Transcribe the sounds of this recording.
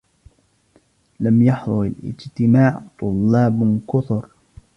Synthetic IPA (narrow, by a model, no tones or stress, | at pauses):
lamjɑħðˤʊɾalʔɪ̰d͡ʒt̪ɪmaːʕt̪ˤʊlːɑːbkʊθʊɾ